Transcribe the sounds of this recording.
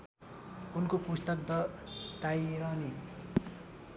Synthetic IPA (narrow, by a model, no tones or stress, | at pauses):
unkopust̪ʌk̚d̪ʌʈajɾʌni